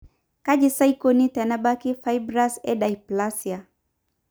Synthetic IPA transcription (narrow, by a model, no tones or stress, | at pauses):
kad͡ʒisaikonit̪ɛnabakifajbɾasɛdajplasia